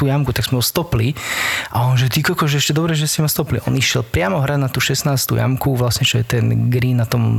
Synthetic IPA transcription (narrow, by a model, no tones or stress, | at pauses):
t̪uːjamkut̪aɡzmɛɔst̪ɔpliʔaɔnʒɛt̪ikɔkɔʒɛɛʃcɛd̪ɔbɾɛʒɛsimast̪ɔplḭʔɔ̰niʃɪɛlpɾɪamɔɦɾad̪nat̪uːʃɛsnaːst̪ṵja̰mkuʋlasɲɛt͡ʃɔjɛt̪ɛnɡɾiːnnat̪ɔm